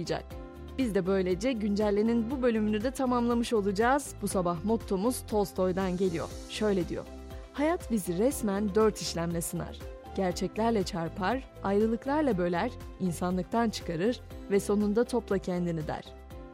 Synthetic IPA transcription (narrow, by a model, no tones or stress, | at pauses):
d͡ʒa̰k̚ | b̥izd̪ɛbø̞jlʲed͡ʒɛɟynd͡ʒælʲːeninbubølʲymynyd̪ɛt̪ʰamamlˠamɯʃo̞lˠud͡ʒaːz̥busabaɦmo̞t̪ʰːo̞muz̥t̪ʰo̞lˠst̪ʰo̞jd̪anɟe̞lʲijo̞̰ɾ | ʃø̞jlʲed̪ḭjo̰ɾ | hajat̪biziɾɛsmænd̪ø̞ɾt̪ʰiʃlʲæmlʲɛsɯna̰ɾ̥ | ɟ̥æɾt͡ʃʰɛclʲæɾlʲɛt͡ʃʰaɾpʰaɾ | ajɾɯlˠɯklˠaɾlˠabø̞lʲæɾ̥insanlˠɯk̚t̪ʰant͡ʃʰɯ̥kaɾɯɾvɛso̞nund̪at̪ʰo̞plˠacʰɛnd̪inid̪æ̰ɾ̥